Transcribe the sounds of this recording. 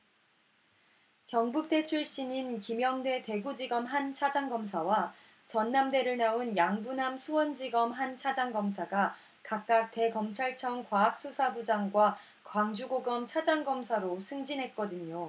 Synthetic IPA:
kjʌŋbuk̚t͈e̞t͡ɕʰuɭɕ͈ininkimjʌŋde̞te̞ɡud͡ʑiɡʌmɦant͡ɕʰad͡ʑaŋɡʌmsʰawa | t͡ɕʌnːamde̞ɾɯɭnaunjaŋbunamsʰuwʌnd͡ʑiɡʌmɦant͡ɕʰad͡ʑaŋɡʌms̬ʰaɡa | kak̚k͈ak̚te̞kʌmt͡ɕʰaɭt͡ɕʰʌŋkwaak̚s͈usʰabud͡ʑaŋɡwa | kwaŋd͡ʑuɡoɡʌmt͡ɕʰad͡ʑaŋɡʌmsʰaɾosʰɯŋd͡ʑinɦe̞t̚k͈ʌdɯɲo

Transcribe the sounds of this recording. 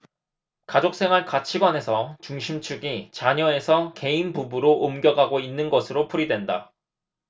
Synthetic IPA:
kad͡ʑok̚s͈e̞ŋɦaɭkat͡ɕʰiɡwane̞sʰʌt͡ɕuŋɕʰimt͡ɕʰuɡit͡ɕaɲʌe̞sʰʌke̞inbubuɾoʔomɡjʌɡɦaɡoinːɯnɡʌsʰɯɾopʰuɾidwe̞nda̰

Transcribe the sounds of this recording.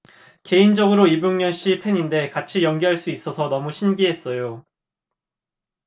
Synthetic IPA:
ke̞ind͡ʑʌɡɯɾoibjuŋɲʌnɕ͈ipʰe̞ɲinde̞kat͡ɕʰijʌŋɡiɦaɭs͈uis͈ʌsʰʌnʌmuɕʰinɡiɦe̞s͈ʌjo

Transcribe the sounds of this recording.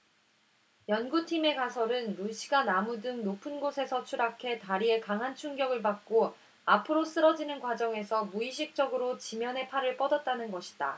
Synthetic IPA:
jʌnɡutʰime̞kasʰʌɾɯnːuɕʰiɡanamudɯŋnopʰɯnɡosʰe̞sʰʌt͡ɕʰuɾakʰe̞taɾie̞kaŋɦant͡ɕʰuŋɡjʌɡɯɭpak̚k͈o | apʰɯɾos͈ɯɾʌd͡ʑinɯnkwad͡ʑʌŋe̞sʰʌmuiɕʰik̚t͡ɕ͈ʌɡɯɾot͡ɕimjʌnɦe̞pʰaɾɯɭp͈ʌdʌt̚t͈anɯnɡʌɕʰi̥d̥a

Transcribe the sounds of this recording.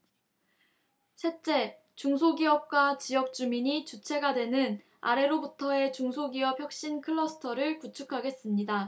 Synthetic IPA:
ɕʰet͡ɕ͈e̞ | t͡ɕuŋsʰoɡiʌp̚k͈wat͡ɕijʌk̚t͡ɕ͈umiɲit͡ɕut͡ɕʰe̞ɡadwe̞nɯn | a̰ɾe̞ɾobutʰʌe̞t͡ɕuŋsʰoɡiʌp̚çjʌk̚ɕ͈inkʰɯɭːʌsʰɯ̥tʰʌɾɯɭput͡ɕʰukʰaɡe̞s͈ɯmɲida

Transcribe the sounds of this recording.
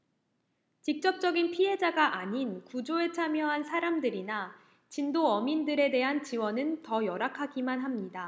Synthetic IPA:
t͡ɕik̚t͡ɕ͈ʌk̚t͡ɕ͈ʌɡinpʰiɦe̞d͡ʑaɡaʔaɲinkud͡ʑoe̞t͡ɕʰamjʌɦansʰaɾamdɯɾina | t͡ɕindoʌmindɯɾe̞de̞ɦant͡ɕiwʌnɯntʌjʌɾakʰaɡimanɦamɲida

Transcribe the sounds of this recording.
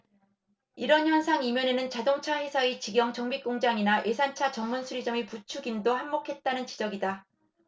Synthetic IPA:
iɾʌnçjʌnsʰaŋimjʌne̞nɯnt͡ɕadoŋt͡ɕʰaɸwe̞sʰait͡ɕiɡjʌŋt͡ɕʌŋbik͈oŋd͡ʑaŋinaʔe̞sʰant͡ɕʰat͡ɕʌŋmunsʰuɾid͡ʑʌmiput͡ɕʰuɡimdohamːokʰe̞t̚t͈anɯnt͡ɕi̥d͡ʑʌɡida

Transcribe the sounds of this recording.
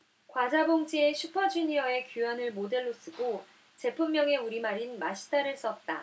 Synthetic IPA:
kwad͡ʑaboŋd͡ʑie̞ɕʰupʰʌd͡ʑiniʌe̞kjujʌnɯɭmode̞ɭːos͈ɯɡo | t͡ɕe̞pʰumːjʌŋe̞uɾimaɾinmaɕʰi̥tʰaɾɯɭs͈ʌt̚t͈a

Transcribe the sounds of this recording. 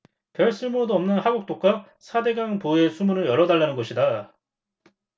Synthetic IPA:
pjʌɭs͈ɯɭmuɾodoʌmnɯnhaɡuk̚t͈ok͈̚a | sʰade̞ɡaŋpue̞sʰumunɯɭjʌɾʌdaɭːanɯnɡʌɕʰida

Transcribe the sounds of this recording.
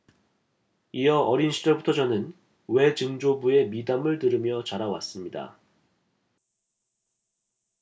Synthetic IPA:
ijʌʔʌɾinɕʰid͡ʑʌbutʰʌd͡ʑʌnɯn | we̞t͡ɕɯŋd͡ʑobue̞midamɯɭtɯɾɯmjʌt͡ɕaɾawa̰s͈ɯmɲida̰

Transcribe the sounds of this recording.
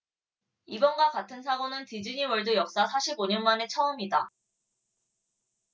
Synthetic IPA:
ibʌnɡakatʰɯns̬ʰaɡʌnɯntid͡ʑiɲiwʌɭdujʌk̚s͈asʰaɕʰiboɲʌnmane̞t͡ɕʰʌɯmida

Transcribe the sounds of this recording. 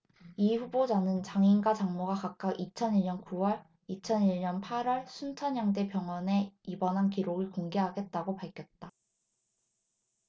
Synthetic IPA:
iɸubod͡ʑanɯnt͡ɕaŋinɡat͡ɕaŋmoɡakak̚k͈aʔit͡ɕʰʌniɭɲʌnkuwʌɭ | it͡ɕʰʌniɭɲʌnpʰaɾwʌɭsʰunt͡ɕʰʌnjaŋde̞pjʌŋwʌne̞ibʌnɦankiɾoɡɯɭkoŋɡe̞ɦaɡe̞t̚t͈aɡopaɭkʰjʌt̚t͈a

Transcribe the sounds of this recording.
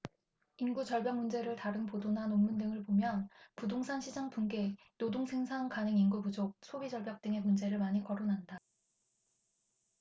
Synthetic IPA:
inɡut͡ɕʌɭbjaŋmund͡ʑe̞ɾɯɭtaɾɯnpodonɦanomːundɯŋɯɭpomjʌnpudoŋsʰanɕʰid͡ʑaŋpʰunɡe̞ | nodoŋsʰe̞ŋsʰaŋkanɯŋinɡupud͡ʑok̚sʰobid͡ʑʌɭbjak̚t͈ɯŋe̞mund͡ʑe̞ɾɯɭmaɲikʌɾonɦanda

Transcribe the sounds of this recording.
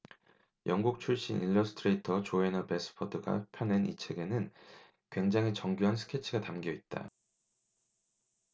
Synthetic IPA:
jʌŋɡuk̚t͡ɕʰuɭɕ͈inʔḭlːʌsʰɯ̥tʰɯɾetʰʌt͡ɕoenʌpe̞s͈ʰɯ̥pʰʌdɯɡa̰pʰjʌne̞nḭt͡ɕʰe̞ɡe̞nɯn | kwe̞ŋd͡ʑaŋɦet͡ɕʌŋɡjuɦansʰɯ̥kʰe̞t͡ɕʰiɡatamɡijʌit̚t͈a̰

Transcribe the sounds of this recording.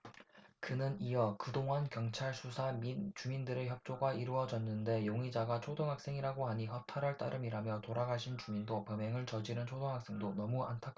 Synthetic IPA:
kɯnɯnijʌkɯdoŋɦankjʌŋt͡ɕʰaɭsʰusʰamit͡ɕumindɯɾe̞çjʌp̚t͡ɕ͈oɡaiɾuʌd͡ʑʌnːɯnde̞joŋid͡ʑaɡat͡ɕʰodoŋɦak̚s͈e̞ŋiɾaɡoaɲiɦʌp̚tʰaɾaɭt͈a̰ɾɯmiɾamjʌtoɾaɡaɕʰint͡ɕumindopʌmeŋɯɭt͡ɕʌd͡ʑiɾɯnt͡ɕʰodoŋɦak̚s͈e̞ŋdonʌmuantʰak͈ʰ

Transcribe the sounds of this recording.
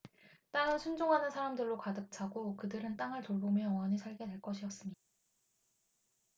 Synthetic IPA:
t͈aŋɯɭsʰund͡ʑoŋɦanɯnsʰaɾamdɯɭːokadɯk̚t͡ɕʰaɡokɯdɯɾɯnt͈aŋɯɭtoɭbomjʌʌŋwʌɲisʰaɭɡe̞dwe̞ɭk͈ʌɕʰiʌs͈ɯmɲida

